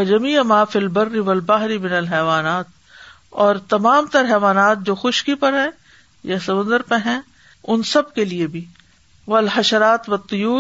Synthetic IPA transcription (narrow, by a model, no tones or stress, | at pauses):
wɐd͡ʒɐmiːmaːfiːlbɐrːiʋɐlbaɦɾimɪnɐlɦɛːʋaːnaːt̪̚ | ɔːɾt̪ɐmaːmt̪ɐɾɦɛːʋaːnaːt̪̚d͡ʒoːxʊʃkipɐɾɦɛ̃ | jasɐmʊ̃nd̪əɾpɐɦɛ̃ː | ʊnsɐb̚keliebʱiː | ʋɐlɦɐʃɐɾaːt̪ʋɐt̪ːʊjuː